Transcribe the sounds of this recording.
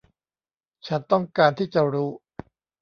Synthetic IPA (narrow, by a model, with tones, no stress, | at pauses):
t͡ɕʰa˦˥nt̪ɔ˥˩ŋkaː˧nt̪ʰiː˥˩t͡ɕa˨˩ɾuː˦˥